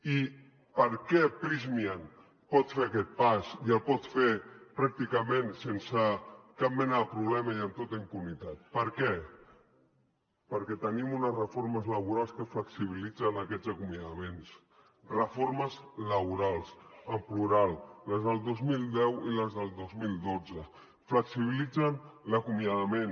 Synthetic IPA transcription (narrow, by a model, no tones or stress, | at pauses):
i | pəɾkɛpɾizmian | pɔt̪feakɛt̪̚pasiəlˠpɔt̪fepɾak̚t̪ikəmẽnsensəkap̚mɛnəðəpɾuβlɛmaiəmt̪ot̪aimpunit̪at̪̚pəɾkɛ | pəɾkɛt̪ənimunəsrəfoɾməzləβuɾalˠskəfləksiβ̞ilid͡zənəkɛd͡zəkumjaðəmens | rəfoɾməzləβuɾalˠsəmpluɾalˠləzðəlˠd̪ozmilˠd̪ɛwiləzðəlˠd̪ozmilˠd̪od͡zə | fləksiβ̞ilid͡zənləkumjaðəmen